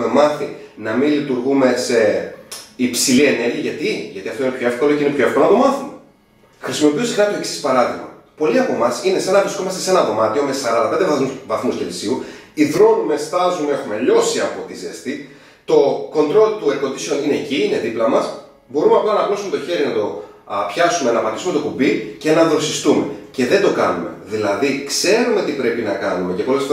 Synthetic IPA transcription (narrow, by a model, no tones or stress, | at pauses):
memɐθinɐminlit̪uɾɣume̞se̞ | ipsilie̞ne̞ɾʝiɐʝɐt̪iʝɐt̪iɐft̪oinpço̞efko̞lo̞ceinepço̞efkolonɐomɐθume | xɾisimo̞piusixnɐt̪ʰoksispɐɾɐðḭɣmɐ̰ | po̞liɐpo̞mɐsine̞senɐvɾisko̞mɐst̪esenɐðo̞mɐt̪io̞mesɐɾɐnd̪ɐped̪evɐθmuscelisiu | iðɾo̞nume̞st̪ɐzumeexume̞ʎo̞siɐpo̞t̪ize̞st̪i | t̪o̞ko̞nd̪ɾo̞t̪ueɾko̞nd̪isionine̞ːciːne̞ðiplɐmɐs | bo̞ɾumeɐplɐnɐplosume̞t̪o̞çe̞ɾinɐt̪o̞ | pçɐsume̞nɐmɐk̪ɾisume̞t̪o̞kubice̞nɐðosist̪ume̞ce̞ðe̞nd̪o̞kɐnume̞̰ðilɐðikse̞ɾume̞t̪ipɾe̞pinɐkɐnume̞ce̞po̞lesfo